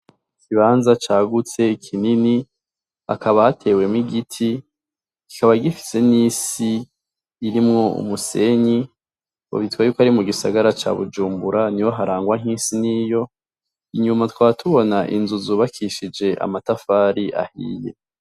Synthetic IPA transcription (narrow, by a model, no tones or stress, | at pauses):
ikiβaːnzat͡ʃaːɡut͡se̞ikʰinini | a̰kʰaβahatʰe̞ːwe̞mŋiɡitʰi | ki̥kaβaɡifi̥se̞niːsiː | ɾimŋo̞ṵmuse̞ɲi | o̰βitwajuːkohaɾimuɡisa̰ɡaɾat͡ʃa̰βud͡ʒuːmbuɾaniwo̞ɦaɾaːŋɡwaŋ̥iːsinijo̞ | iɲumatwaːtʰuβo̞naʔinzuzuβakʰiʃid͡ʒe̞ʔa̰matafaːɾiʔa̰hḭːje̞̰